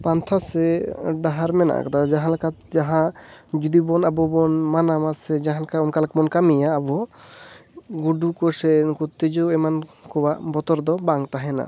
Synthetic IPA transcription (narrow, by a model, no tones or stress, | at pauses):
pant̪ʰasɛɖaɦaɾmɛna̰ʔkat̪ad͡ʒaɦãlkad͡ʒaɦãd͡ʒud̪ibɔnabɔbɔnmanamasɛd͡ʒaɦãlkaɔnkalakmɔnkamijaːbɔ | ɡuɖukɔsɛkut̪ːed͡ʒɔɛmankʰɔbaʔbɔt̪ɔɾd̪ɔbaŋt̪aɦɛna̰